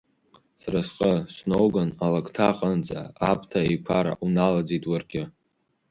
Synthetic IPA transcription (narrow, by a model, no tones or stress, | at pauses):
sarasqʼəsnowɡanalakʰʼtʰaqʼənd͡zʼa̰ːp̚ʰʼtʰaejkʷʰaɾa̰ʔunalad͡zitʼwarɡʲɪ